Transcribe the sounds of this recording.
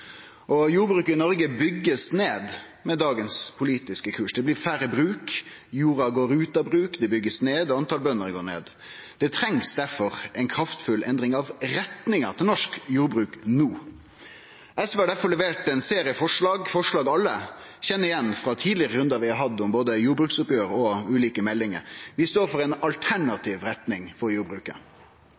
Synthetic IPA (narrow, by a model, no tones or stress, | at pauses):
ʔɔjuːɾbɾʉːkəɪnɔɾɡəbʏɡːəsneːd̪ | mɛd̪ɑːɡənspʰʊliːt̪ɪskəkʰʉːʂd̪ɛblɪːɾfæɾəbɾʉːkjuːɾɑɡoːɾʉːt̪ɑbɾʉːkd̪ɛbʏɡːəsneːd̪ɔɑnt̪ɑlbœnːəɾɡoːɳḛːd̪ | d̪̥ɛt̪ʰɾɛŋsd̪æɾfɔɾɛɪnkʰɾɑft̪fʉlʔɛnd̪ɾɪŋɑʋɾɛt̪nɪŋət̪ʰɪlnɔʂkjuːɾbɾʉːknuː | ɛsʋɛɑɖæɾfɔɭlɛʋeːʈɛnseːɾɪəfɔʂɭɑːɡfɔʂɭɑːɡɑlːə | çɛnːəɪjɛnːfɾɑt̪ʰiːd̪lɪəʁəɾʉnd̪ɑʋɪhɑɾɦɑd̪ːʊmboːd̪əjuːɾbɾʉːksʊpjøːɾɔʉːliːkəmɛlːɪŋə̰ɾʋɪst̪oːɾfɔɾɛɪnɑlt̪ʰæɳɑt̪ʰiːʋɾɛt̪nɪŋfɔɾjuːɾbɾʉːkə̰